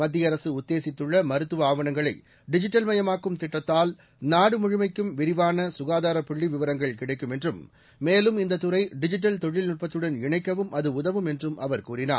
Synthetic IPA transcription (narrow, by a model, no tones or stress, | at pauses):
mɐd̪ːɪjɐɾɐsɯʊt̪ːeːsɪt̪ːɯɭːɐmɐɾɯt̪ːɯʋɐaːʋɐɳɐŋɡɐɭɐɪ | ɖɪd͡ʒɪʈːɐlmɐjɐmaːkːɯmt̪ɪʈːɐt̪ːaːl | naːɽɯmʊɻɪmɐɪkːɯmʋɪɾɪʋaːnɐsʊɣaːðaːɾɐpɪɭːiʋɪʋɐɾɐŋɡɐɭkɪɽɐɪkːɯmɛndrɯmː | eːlɯmɪnd̪ɐt̪ːɯɾɐɪɖɪd͡ʒɪʈ̬ːɐlt̪ɔɻɪlnʊʈ̚pɐt̪ːɯɽɐnɪɳɐɪkːɐʋɯmɐðɯʊðɐʋɯmɛndrɯmɐʋɐɾkuːɾɪna̰ːɾ